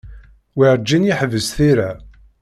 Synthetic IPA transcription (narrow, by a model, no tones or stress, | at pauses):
wiɾˤd͡ʒːinjiħvəzθiɾæ